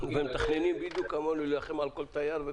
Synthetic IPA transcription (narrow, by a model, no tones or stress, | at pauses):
vhɛmt̪aχnenimbid̪ukamolilaχemʕalkolt̪ajaɾve